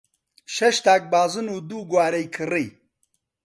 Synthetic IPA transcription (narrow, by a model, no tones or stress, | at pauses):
ʃɛʃt̪aːk̚baːzɨnuːd̪uːɡwaːɾɛjkʰɨriː